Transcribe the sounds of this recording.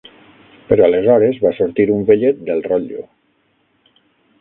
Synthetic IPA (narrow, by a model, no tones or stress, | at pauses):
pəɾɔalezɔɾezβasuɾt̪iɾumbeʎet̪̚d̪elˠrɔʎṵ